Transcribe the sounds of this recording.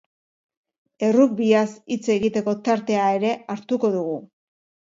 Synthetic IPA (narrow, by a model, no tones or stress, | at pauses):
e̞ruk̚biasit͡se̞ɣit̪e̞ko̞t̪aɾt̪e̞ae̞ɾe̞aɾt̪uko̞ðuɣ̞u